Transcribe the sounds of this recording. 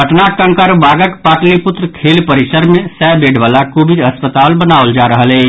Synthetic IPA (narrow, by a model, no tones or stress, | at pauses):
əʈnakə̃ŋkəɾbaːɡəkpaːʈlepʊt̪ɾəkʰeːlpəɾisəɾmẽsɛbeːɖʋaːlakoːbid̪əspət̪aːlbənaːʊld͡ʒaɾəɦəlɛ